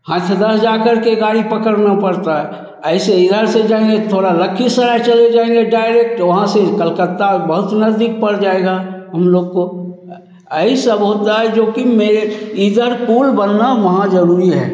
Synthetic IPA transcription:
hãːt̪ʰjəd̪əsd͡ʒakəɾkeɡaːɽipəkəɾnapəɾt̪aɦɛ | əɪseɪd̪ʱəɾsed͡ʒaːẽŋɡet̪ʰoːɽaləkʰːisəɾat͡ʃəled͡ʒaːẽŋɡeɖaːɪɾek̚ʈʋɐɦãsekəlkət̪ːabəɦʊt̪nəzd̪ik̚pəɽd͡ʒaːeɡaɦɐmloːɡ̚ko | əisəbəɦʊt̪̚d̪ad͡ʒoːkimeɾeid̪ʱəɾkuːlbənːaʋɐɦãd͡ʒəɾuːɾiɦɛ̰̃ː

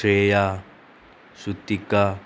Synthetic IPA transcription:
eja | sut̪ika

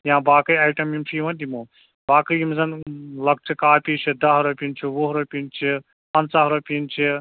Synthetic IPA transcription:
jãːbaːkəjaːjʈɐmjimt͡ʃʰiʋɐnd̪imu | baːkɐjimzɐnlɐk̚t͡ʃʰikaːpit͡ʃʰid̪ɐɦɾopʲint͡ʃʰiʋuɦɾopʲint͡ʃʰi | pɐ̃nsaɦɾopʲint͡ʃʰi

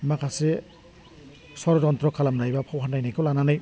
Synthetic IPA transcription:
makʰase | swaɾɔdɔntɾɔkʰalamnajbapʰɔwɦanːajnajkʰɔlananɯj

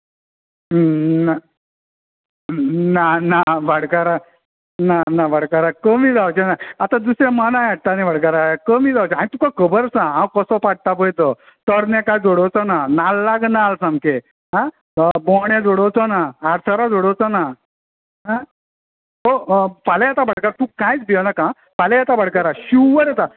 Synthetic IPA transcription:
na | nanaʋaɽkaɾa | nanaʋaɽkaɾakəmid͡zawt͡ɕɛnaat̪ad̪usɾãmanãjaɽt̪aneʋaɽk̬aɾakəmiːd͡zawt͡ɕɛaɽ̃it̪ukakəbəɾsããwkɔsɔpaʈ̚t̪apəjt̪ɔ | t̪ɔɾnɛkajd͡zoɽɔwt͡sɔnanalːaɡnalsãŋke | ɦã | bɔɳjẽd͡zoɽɔwt͡sɔnaːɾsʰaɾad͡zɔɽɔwt͡sɔna | ɦã | ɦopalejat̪abəɽ̤kaɾat̪ũkãjt͡sbiɔnakã | palejat̪abaɽkaɾaɕuʋəɾat̪a

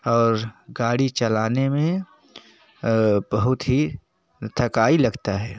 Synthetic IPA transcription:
ɔːɾɡaːɽit͡ʃɐlaːnemẽ | bɐɦʊt̪ɦi | t̪ʰɐkaːilɐɡt̪aɦɛː

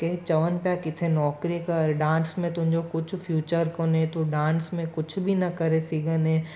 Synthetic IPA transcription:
ket͡ʃɐʋənpjakɪt̪ʰenɔːkɾikɐɾɖãːnsmẽt̪ʊ̃d͡ʒokʊt͡ʃʰfʰjuːt͡ʃəɾkonẽt̪uɖãːnsmẽkʊt͡ʃʰbʱinɐkɐɾesiːɡənẽː

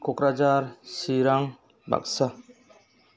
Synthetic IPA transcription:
kɔkɾad͡ʒaɾsiɾaŋ | ba̰k̚sa

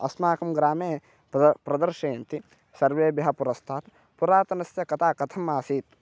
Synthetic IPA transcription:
ɐ̰smaːkɐmɡɾaːmeː | pɾɐd̪ɐɾʃeːnt̪i | sɐɾʋeːbjɐɦɐpuɾɐst̪ʰaːt̪ | puɾaːt̪ɐnɐsjɐkɐt̪aːkɐt̪ʰɐmːaːsiːt̪̚

